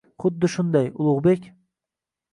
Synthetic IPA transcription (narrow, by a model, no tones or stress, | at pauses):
χʊd̪ːɨʃʊnd̪ɑjʊlˠʊʁbekʲ